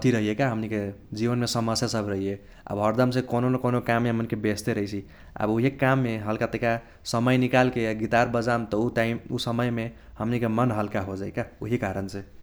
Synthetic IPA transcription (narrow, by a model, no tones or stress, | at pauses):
t̪ʰiɾəɦijekaɦəmniked͡ʒibənmesəməsjasəbʱɾəɦije | a̰bɦəɾd̪əms̬ẽkononekonokamːeɦəmnikebest̪eɾəɦjt͡ʃʰi | a̰buɦekamːeɦəlkat̪eka | səməjnikalkeɡit̪aɾbəd͡ʒamt̪ɔuʈaɪmusəməjme | həmnikemənɦəlkaɦod͡ʒajkauɦikaɾənsẽ